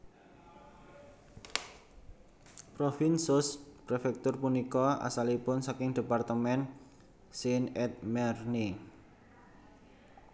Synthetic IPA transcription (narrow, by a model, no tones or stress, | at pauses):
pɾofinsʊspɾefɛk̚t̪ʊrpunikɔa̰salipʊnsakɪŋd̪̥e̤part̪əmɛn | sɪŋɛt̪̚mɛrni